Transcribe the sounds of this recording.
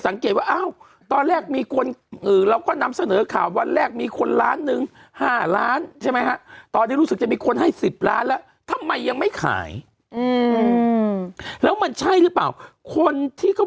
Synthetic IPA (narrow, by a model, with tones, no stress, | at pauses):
sa˩˦ŋkeː˨˩t̪̚waː˥˩ʔa˥˩w | t̪ɔː˧nlɛː˥˩k̚miː˧kʰu˧nʔɯː˨˩ɾa˧wkɔː˥˩na˧msa˧nɤː˩˦kʰaː˨˩wwa˧nlɛː˥˩k̚miː˧kʰo˧nlaː˦˥nːɯ˧ŋ | haː˥˩laː˦˥nt͡ɕʰa˥˩jma˦˥jkʰa˦˥ʔt̪ɔː˧nʰiː˥˩ɾu˦˥sɯ˨˩k̚t͡ɕa˨˩miː˧kʰo˧nha˥˩jsi˨˩p̚la̰ː˦˥nlɛː˦˥w | t̪ʰa˧mːa˧jːa˧ŋma˥˩jkʰa̰ː˩˦j | ʔɯː˧ | lɛː˦˥wma˧nt͡ɕʰa˥˩jɾɯ˦˥pla̰ː˨˩wkʰo˧nt̪ʰiː˥˩kɔ˥˩